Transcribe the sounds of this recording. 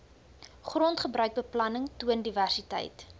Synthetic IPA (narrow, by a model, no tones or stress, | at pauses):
χrɔntχəbɾœɥk̚bəplɐnəŋtuəndiværsitɛ̰jt